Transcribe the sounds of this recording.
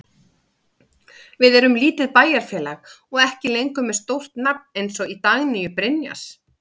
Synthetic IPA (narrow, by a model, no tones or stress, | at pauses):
vɪðɛɾʏmliːt̪ɪðpaːjaɾ̥fjɛːlaɣ | ɔɣɛhcɪlejŋkʏmːɛ̥st̪owr̥t̪nap̚nejnsɔit̪aɣnɪjʏpɾɪnja̰s